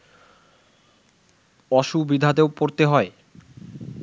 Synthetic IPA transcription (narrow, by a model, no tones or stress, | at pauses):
ɔʃubid̪ʱad̪eopoɾt̪eɦɔe